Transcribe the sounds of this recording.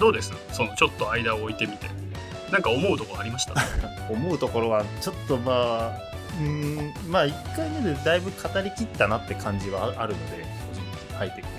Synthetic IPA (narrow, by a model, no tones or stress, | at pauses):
d̪o̞ːd̪e̞sɨnoso̞not͡ɕo̞t̪ːo̞aid̪aoːit̪e̞mʲit̪e | nãŋkao̞mo̞ɯ̟t̪o̞koaɾʲimaɕi̥t̪a̰ | o̞mo̞ɯ̟t̪o̞ko̞ɾo̞βat͡ɕo̞t̪ːo̞maː | ɯ̟̃ː | maikːained̪ed̪aibɯ̟kʰat̪aɾʲikʲit̪ːanat̪ːe̞kʰãɲ̟d͡ʑiβaaɾɯ̟no̞d̪e̞̰ | koʑĩŋkihait̪ːe̞kɯ